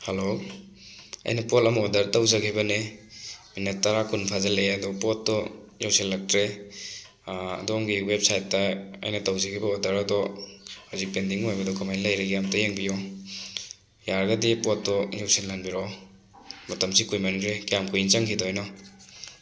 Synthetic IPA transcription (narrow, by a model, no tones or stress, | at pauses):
halo | ɐ̰jnɐpɔtɐmodɐɾtawzɐkʰibɐne | minet̚ːaɾakunpʰazaleɐdɔpɔtːɔ | jawselːak̚tɾe | ɐ̰dɔmɡiwep̚sajtːɐɐ̰jnɐtawzɐkʰibaodɐɾɐdɔhuzik̚pendiŋojbɐdɔkamajnlajɾaɡijamtajeŋbijɔ | jaɾɡɐdipɔtːɔjawsenlːanbiɾɔ | mɐtɐmsikujmanɾekijamkʰujint͡ʃaŋkʰidɔɔjnɔ